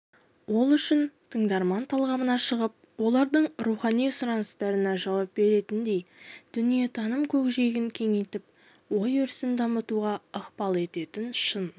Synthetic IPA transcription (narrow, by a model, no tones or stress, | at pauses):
wo̞lˠʏʃɪnt̪ʰəɴd̪ɑɾmɑnt̪ʰɑlˠʁɑmənɑʃəʁəp̚ | wo̞lˠɑɾd̪əɴɾuχɑnijsʊɾɑnəst̪ɑɾənɑʒɑwɑp̚be̞ɾe̞t̪ɪnd̪e̞jd̪̥ʏnije̞t̪ʰɑnəmkʲʰɵkʒe̞ɡʲɪŋkʲʰe̞ŋejt̪ɪp̚ | wo̞jʏɾsɪnd̪ɑmət̪uʁɑəqpɑlˠe̞t̪e̞t̪ɪnʃən